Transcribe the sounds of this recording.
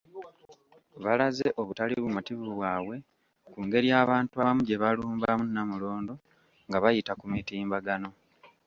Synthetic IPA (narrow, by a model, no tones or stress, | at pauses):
βalazeʔo̞βutaliβumutiβuβwaːwe̞ | kuːŋɡe̞ɾiaːβaːntuaβamuɟe̞βaluːmbamunːamulo̞ːndo̞ | ŋɡaβajitakumitiːmbaɡano̞